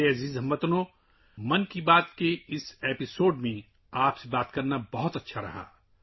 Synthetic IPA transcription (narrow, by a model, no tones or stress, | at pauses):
eɐziːzɦɐ̃mbɐt̪nõː | mɐnkibaːt̪keɪseːpɪsoːɖmẽ | aːpsebaːt̪kɐɾnabɐɦʊt̪ɐtːʃʰaɾɐ̰ɦa̰ː